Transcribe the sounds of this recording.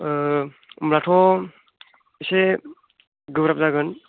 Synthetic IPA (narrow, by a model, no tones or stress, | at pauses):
mɾatʰɔ | ise | ɡɯbɾap̚zaɡɯn